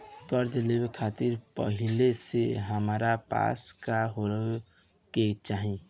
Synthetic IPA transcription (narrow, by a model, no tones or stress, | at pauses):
kəɾd͡ʒəlebekʰat̪iɾpə̰ɦileseɦəmɾapa̰skaɦoɾə | ket͡ʃaɦĩ